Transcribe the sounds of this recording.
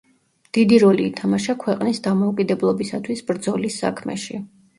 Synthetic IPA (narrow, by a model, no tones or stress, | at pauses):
d̪̥id̪iɾɔliːt̪ʰamaʃakʰwɛqʼnisd̪amɔukʼid̪ɛblˠɔbisat̪ʰwisbɾd̪zɔlisːa̰kʰmɛ̰ʃi